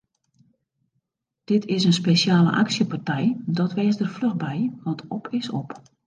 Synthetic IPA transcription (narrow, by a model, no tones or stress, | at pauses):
d̥ɪtʰɪs̬ənspesaːlə̰ʔa̰ksjəpartɛjdɔtʋɛːsdərfløɣbɛjʋɔtʰɔpʰɪsɔp